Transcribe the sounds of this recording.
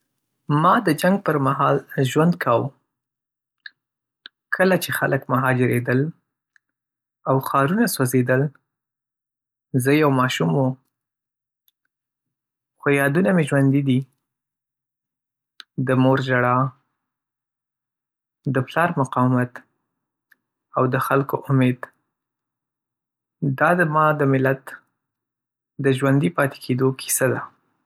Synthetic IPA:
mɑd̪əd͡ʒaŋɡ̚pəɾmaɦɑlʒwand̪kʰaw | kʰəlat͡ʃexaləkmʊɦɑd͡ʒɪɾed̪əl | awxɑɾunasozed̪əl | zəjawmɑʃumo | xojɑd̪unameʒwand̪id̪i | d̪əmoɾʒaɽɑ | d̪əplɑɾmʊqɑwmat̪ | awd̪əxalkoʔʊmed̪ | d̪ɑd̪əmɑd̪əmɪlat̪ | d̪əʒwand̪ipɑt̪e̥kʰed̪okʰi̥sad̪a

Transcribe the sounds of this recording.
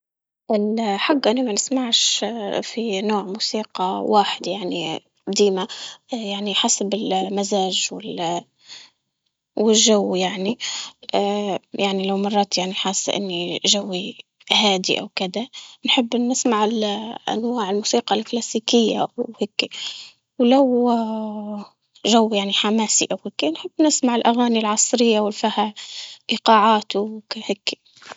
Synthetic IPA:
ʔɪlħaɡːʔɪnːimanɪsmaʕʃfinoːʕmuːsiːqɑwaːħɪd̪jaʕnḭ | d̪iːmajaʕniħasabɪlmazaːʒwɪl | wɪlʒawːjaʕniʔːjʔaʕnilawmɑrˤːɑːt̪jaʕniħaːsːʔɪ̰nːiʒawːi | haːd̪ḭʔa̰wkɪd̪anħɪbːnːɪsmaʕɪlʔa̰nwaːʕɪlmusiːqɑlklaːsiːkɪjːa̰wheːkːi | wlaw | ʒawːjaʕniħamaːsiʔawhaːkːinħɪbːnɪsmaʕɪlʔaɣaːnilʕɑsˤɾɪjːawɪlfahaʔiqɑːʕaːt̪uheːkːi̥

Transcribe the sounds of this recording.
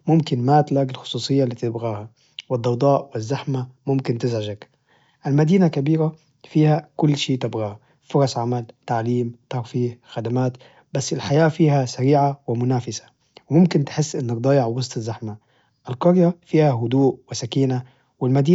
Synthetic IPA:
mʊmkɪnmat̪laɡɪlxʊ̥sˤuːsˤɨjːalit̪ːɪbɣaːha | wɪd̪ːɑwd̪ˤɑːʔwɪzːaħmamʊmkɪnt̪ɪzʕaʒak | ʔɪlmad̪iːnakabiːɾa | fiːhakʊlːʃiːʔt̪ɪbɣaːha | fʊɾˤɑsʕamalt̪aʕliːmt̪ɑɾfiːhxad̪amaːt̪ | basːɪlħajaːfiːhasaɾiːʕawɪmʊnaːfɪsḁ | wɪmʊmkɪnt̪ħɪsːʔɪnːɪkd̪ˤɑːjɪʕwɑsˤt̪ˤɪzːaħma | ʔɪlqɑɾjafiːhaɦʊd̪uːʔwɪsakiːna | wɪlmad̪iː

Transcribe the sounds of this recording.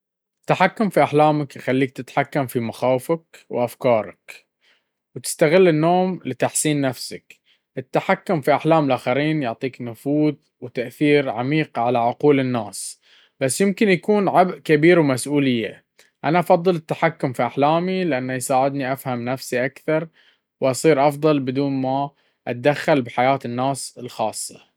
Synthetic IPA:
ʔɪt̪ːaħakːʊmfiʔaħlaːmakxalːiːk̚t̪ɪt̪ħakːamfimaxaːwfakwʔafkɑːɾˤɑ̰k | wt̪ɪ̥st̪aɣɪlːɪnːoːmlɪt̪aħsiːnːafsak | ʔɪt̪ːaħakːʊmfiʔaħlaːmɪlʔaːxaɾiːnjʊʕt̪ˤiːknʊfuːð | wt̪aʔθiːɾʕamiːqʕalaʕʊquːlɪnːaːs | b̥asːjɪmkɪnjakuːnʕabʔkabiːɾwmasʔuːlɪjːa̰ | ʔanaʔɑfɑðˤːɨlɪt̪ːaħakːʊmfiʔaħlaːmilɪʔanːajsaːʕɪd̪niʔafhamnafsiʔakθɑɾˤ | wʔɑsˤiːɾʔɑfðˤɑlbɪd̪uːnma | ʔat̪̚d̪axːalbħajaːt̪ɪnːaːsɪlxɑːsˤːɑ

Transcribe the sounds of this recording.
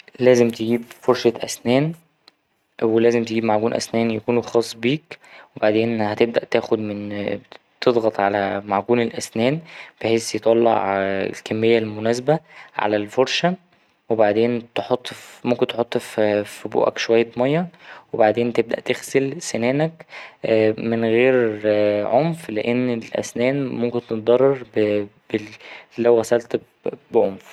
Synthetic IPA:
læːzemt̪eɡiːbfoɾʃæʔæsnæːn | welæːzemt̪eɡiːbmaʕɡuːnʔæ̰snæːnjækuːnuxɑːsˤːbiːkwebaʕd̪eːnhæt̪eb̚d̪æʔt̪æːxod̪men | t̪ed̪ˤɣɑt̪ˤʕalæmaʕɡuːnelʔæsnæːnb̥eħeːsjet̪ˤɑlːɑ̰ʕʕḛlkæmːejːælmonæːsbæʕa̰lælfoɾˤʃæ | webaʕd̪eːnt̪ħot̪ˤːmomkent̪ħot̪ˤːffbṵːʔæ̰kʃowæjːæt̪mɑjːɑwebaʕd̪eːnt̪eb̚d̪æ̰ʔt̪exselsenæːnækː | menɣeːɾʕomfleʔenːelʔæ̰snæːnmomkent̪et̪̚d̪ɑrˤːɑɾˤbbelːæwɣæsælt̪ | beʕomf

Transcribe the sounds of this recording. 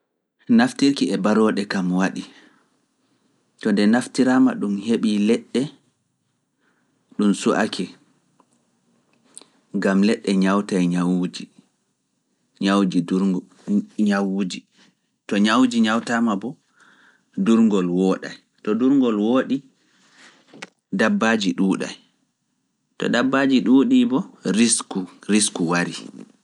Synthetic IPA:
naftiɾkiɛbaɾɔɗɛkamwaɗi | tɔndɛnaftiɾaːmaɗumheɓilɛɗːɛ | ɗumsuʔa̰kʰɛ | ŋɡamlɛɗːɛɲawtajɲawd͡ʒi | ɲawd͡ʒi | ɲawd͡ʒi | tɔɲawd͡ʒiɲawtamabɔ | duɾŋɡɔlwoːɗa̰j | tɔduɾŋɡɔlwoːɗi | dabːaːd͡ʒiɗuːɗa̰j | tɔ̰dabːaːd͡ʒiɗuːɗibɔɾiskuɾiskuwaɾi

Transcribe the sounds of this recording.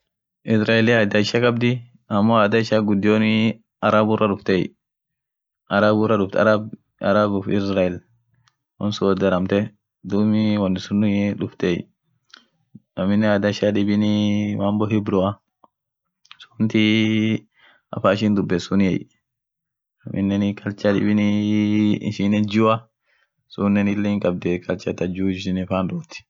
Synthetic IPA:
ʔisɾailiadaʃakabdi | amːɔadaʃaɡudioni | aɾabuɾaɗuft̪eḭ | ʔaɾabuɾaɗufta̰ɾab | a̰ɾabufisɾail | ɔ̰nsudaɾamt̪ɛ | dumiwanːisuniɗuft̪ɛḭ | amɪnːɛad̪aʃaɗibinimambɔɦhibɾɔa | su̥nt̪i | a̰faːʃ̬ind̪ʊbːɛsunjɛj | a̰mʔḭnːɛnikɐlt͡ʃadḭbinḭ | ʃinɛd͡ʒua | sunːɛnilːeŋkʼɐbd̪ɛkʰʼɐlt͡ʃat̪ad͡ʒud͡ʒsinifandoːt̪i̥

